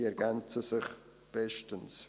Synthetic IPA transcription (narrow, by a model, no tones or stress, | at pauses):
ɛɾɡant͡səsɪχ | b̥ɛʃtəns